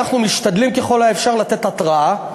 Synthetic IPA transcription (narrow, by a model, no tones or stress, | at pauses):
aχnumiʃt̪ad̪limke̞χo̞laefʃaʁlat̪e̞t̪at̪ʁaa